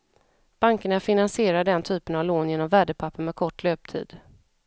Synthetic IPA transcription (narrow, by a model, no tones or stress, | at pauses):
b̥aŋkəɳafɪnansɪeːɾaɖ̪ɛnt̪ʰyːpənavloːnjeːnɔmvæːɖəpʰapʰːəɳmɛkʰɔʈːløːp̚t̪ʰḭːd̪